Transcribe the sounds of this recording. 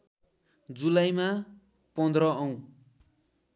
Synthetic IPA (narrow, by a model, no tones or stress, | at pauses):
d͡zulajma | pʌnd̪rʌʌw̃